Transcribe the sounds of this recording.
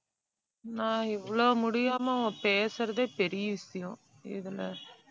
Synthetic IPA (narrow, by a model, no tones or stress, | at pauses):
nãːɪʋːɐɭoːmʊɽɪjaːmɐɐ̃ːpeːsɐɾɐðeːpɛɾɪjɐʋɪsɐjʊ̃ː | ɪ̰ðɪlɐ